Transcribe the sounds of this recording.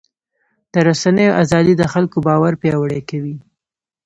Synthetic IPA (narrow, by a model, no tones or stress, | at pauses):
d̪̥əɾasanəjoʔazɑd̪id̪əxalkobɑwaɾpjɑwəɽekawi